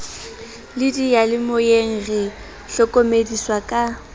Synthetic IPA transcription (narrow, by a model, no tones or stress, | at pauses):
lɪdijalɪmʊjeŋ̩rɛ | ɬɔkʼomediswakʼa